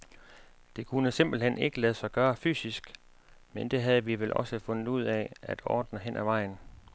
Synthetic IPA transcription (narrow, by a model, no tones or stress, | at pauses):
d̥e̝kʰunəse̝mb̥l̩ɦen̰ʔe̝ɡ̥əlɛð̞̩ˠsɑ̈ɪɡ̥ɶːɐfy̰ːsisɡ̥ | mend̥e̝ɦæð̞̩ˠəʋiʋelʔɒ̽səfɔ̽nð̩ˠuð̞̰ˠɛæd̥ɒ̰ːd̥nəɦen̰ʔæʋɑ̈ɪ̰n̩